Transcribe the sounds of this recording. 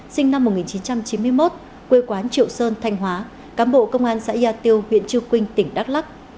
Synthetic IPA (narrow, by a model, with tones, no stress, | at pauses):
sï˧ŋna˧mː˨˩t̚ŋi˨˩nt͡ɕi˨˦nt͡ɕa˧mt͡ɕi˨˦nmɨ˧əjmo˦˥t̚ | kwe˧kwaː˨˦nt͡ɕḭ˧˨əwsəː˧nt̪ʰa˧jŋ̟ɦwaː˨˦ | kaː˨˦nɓo̰˧˨kə˧wŋ͡mʔaː˧nsa̰ː˧˥˧aː˧t̪i˧əwhwḭ˧˨ənt͡ɕɨ˧əwkwï˧ŋ̟t̪ï˧˩ŋ̟ɗaː˦˥k̚la˦˥k̚